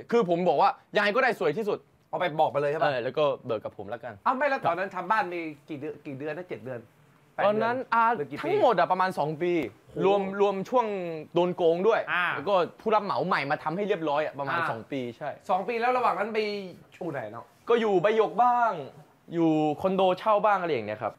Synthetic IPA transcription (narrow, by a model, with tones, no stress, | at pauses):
kʰɯː˧pʰo˩˦mbɔː˨˩k̚waː˥˩ja˧ŋa˧jkɔː˥˩daː˥˩jsu˨˩˦jt̪ʰiː˥˩su˨˩t̪̚ | ʔɔː˨˩pa˧jbɔː˨˩k̚pa˧jlɤː˧jʰaː˧lɛː˦˥wkɔː˥˩bɤː˨˩kːa˨˩pʰːo˩˦mla˦˥ka˧nʔa˧˩wma˥˩jlɛ˦˥t̪ɔː˧nːa˦˥nt̪ʰa˧mbaː˥˩nmiː˧ki˨˩dɯ˧kiː˨˩dɯ˧nːa˦˥˩t͡ɕe˨˩t̪̚dɯ˧ən | tɛː˨ɔː˧nnːa˦˥nʔaː˨˩˧i˨˩t̪ʰa˦˥ŋmo˨˩t̪̚ʔa˨˩pɾa˧maː˧nsɔː˩˦ŋpiː˧ɾu˧əmɾu˧əmt͡ɕʰu˥˩əŋdoː˧nkoː˧ŋdu˥˩əja˧ɛ˦˥wkɔː˥˩pʰuː˥˩la˦˥p̚ma˩˦wma˨˩jmaː˧t̪ʰa˧mha˥˩jli˥˩p̚ɾɔː˦˥jʔa˨˩pɾa˧maːaː˧nsɔ̰ː˩˦ŋpiː˧t͡ɕʰa˥˩jsɔː˩˦ŋpiː˧lɛː˦˥wɾa˧waː˨˩ŋna˦˥nma˧jt͡ɕʰuː˧˩na˨˩˦jnɔ̰˦˥ | kɔː˥˩juː˨˩ba˧jːo˨˩k̚baː˥˩ŋ | juː˨˩kʰo˧ndoː˧t͡ɕʰa˥˩wbaː˥˩ŋʔa˧a˧ja˨˩ni˦˥ɐkʰa˦˥p̚